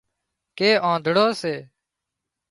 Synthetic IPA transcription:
keːʔãːd̪ʱɽoːseː

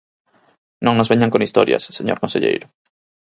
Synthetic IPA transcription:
nõŋnozβeɲaŋkonist̪oɾjɐ̰sseɲo̰ɾkõnsḛʎḛjɾʊ

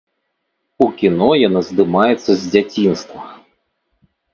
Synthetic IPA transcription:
ukʲinɔjɐnazd̪ɪmɑjɛt̪sːɐzʲdʲɐt͡sʲinst̪ʋɐ

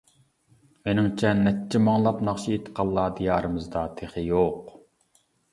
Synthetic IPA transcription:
menɪŋt͡ʃʰɛnɛtt͡ʃʰːɛmɑŋlˠɑpnɑχʃiet̪qʰɑlˠːɑːd̪ijɑːɾɨmɨzd̪ɑt̪ʰeχɨjoq

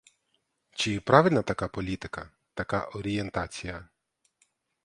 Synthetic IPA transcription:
t͡ʃɪpɾɑʋɪlʲnɐt̪ɐkɑpɔlʲit̪ɪkɐ | t̪ɐkɑ̰ʔɔɾʲijent̪ɑt͡sʲijɐ

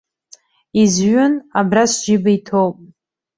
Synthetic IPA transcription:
izʒʊnabrasʒibaitʰowpʼ

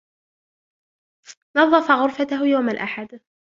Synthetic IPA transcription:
nɑðˤːɑfɑɣʊɾfat̪ahjawmalʔaħad̪

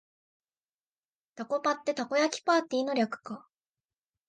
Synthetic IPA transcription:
t̪ako̞pat̪ːe̞t̪ako̞jakʲi̥paːt̪ːiːno̞ɾʲakɯ̟̥ka

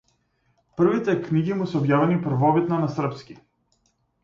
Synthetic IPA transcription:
pr̩vit̪ɛkniɡimusɔbjavɛnipr̩vɔbit̪nanasr̩pskʲi

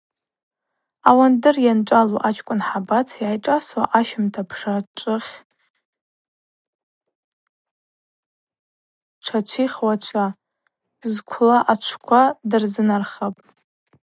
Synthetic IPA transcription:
awandɨrjanʈ͡ʂʼaluʔat͡ʃʰʼkʷʼʊnħabat͡sʰjajʈ͡ʂʼaswa̰ʔaʃɪmtʰapʰʂaʈ͡ʂʼɨχʲ | ʈ͡ʂʰat͡ʃʷʰiχʲwat͡ʃʷʰa | bzkʷʰlaʔat͡ʃʷʰkʷʰadɨrzɨnarχapʼ

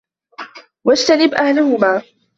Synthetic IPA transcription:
wad͡ʒt̪anɪbʔahlʊhʊmaː

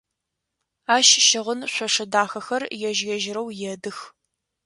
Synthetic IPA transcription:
aːʃʃɪʁənɕʷɔʂɐdaːxɐxɐrjɛʒjɛʒɪɾɐwjɛdɨx

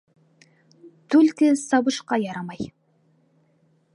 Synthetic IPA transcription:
t̪ʰɵlkʲɪsɑbəʃqɑjɑɾɑmɑj

